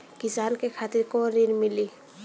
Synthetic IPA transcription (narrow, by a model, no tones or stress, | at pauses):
kɪsaːnkekʰaːt̪ɪɾkoɾiɾmɪli